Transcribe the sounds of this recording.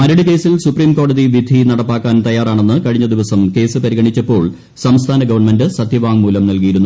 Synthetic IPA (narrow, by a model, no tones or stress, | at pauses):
mɐɾɐɽɨke̞ːsilsupriːmko̞ːɽɐðiʋid̪ʱinɐɽɐpːaːkːaːnt̪ɐjːaːraːɳe̞nːɨkɐɻiɲːɐd̪iʋɐsɐmke̞ːsɨpɐɾiɣɐɳit͡ɕːɐpːo̞ːɭ | sɐmst̪ʰaːnɐɡɐʋɐɳmendɨsɐd̪ʱjiʋaːŋmuːlɐmnɐlkijiɾunːu